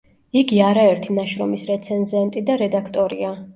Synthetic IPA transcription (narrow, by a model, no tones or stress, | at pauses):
iɡiaɾaɛɾt̪ʰinaʃɾɔmisɾɛt̪sʰɛnzɛnt̪ʼid̪aɾɛd̪akʰt̪ʼɔɾia